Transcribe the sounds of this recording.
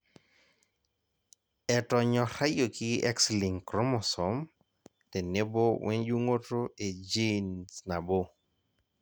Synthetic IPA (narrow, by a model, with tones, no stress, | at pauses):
ɛ˨tɔ˨ɲɔ˨ɾa˦jo˨ki˦ɛ˦ksli˨ŋkɾɔ˦mɔ˨sɔ˨˦m | tɛ˨ne˦bo˦wʔɛ˦nd͡ʒu˦ŋo˦to˦e˨d͡ʒi˦nsna˨bo˦